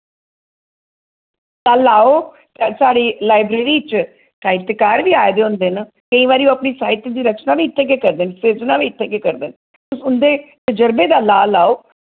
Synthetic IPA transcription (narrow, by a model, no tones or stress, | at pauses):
t̪aːlaːoː | t̪ːsaːɽiːlaːɪbɾeːɾiːt͡ʃ | ʈaːɪʈt̪ːeːkaːɾʋiːaːed̪eːʊ̃nd̪eːn | kəĩːʋaːɾiːoəpniːsaːɪt̪d̪iːɾəkt͡ʃnaːʋiːɪt̪ʰːẽːk̬eːkəɾd̪eːnseːznaːʋiːɪt̪ʰːẽːkeːkəɾd̪eːn | ʊsʊnd̪eːt̪əd͡ʒəɾbeːd̪aːlaːlaːoː